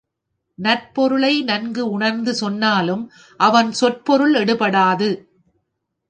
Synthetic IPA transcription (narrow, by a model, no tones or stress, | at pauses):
nɐrpɔɾɯɭɐɪnɐnɡɯʊɳɐɾnd̪ɯsɔnːaːlɯm | ʔɐʋɐnsɔʈ̚pɔɾɯɭɛɽɯpɐɽaːðɯ